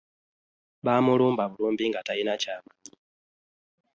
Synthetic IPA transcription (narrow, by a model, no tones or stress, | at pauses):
ɓamulumbaβuluːmbiŋɡatainat͡ʃama